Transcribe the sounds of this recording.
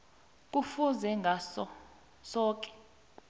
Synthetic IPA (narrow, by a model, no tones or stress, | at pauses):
k̬ʼufuzɛŋɡʱasɔ | sɔːk̬ʼɛ̥